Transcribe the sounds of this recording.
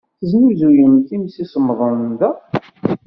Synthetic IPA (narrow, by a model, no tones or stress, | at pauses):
θəznuzujənθimsisəmːðˤənd̪æ